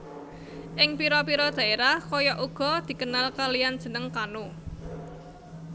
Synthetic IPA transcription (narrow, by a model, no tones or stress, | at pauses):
ʔɪŋpiɾɔpiɾɔd̪̥a̤eɾahkɔjɔʔuɡ̥ɔ̤d̪̥i̤kənalkalijand̥d͡ʒʒ̥ə̤nəŋkanu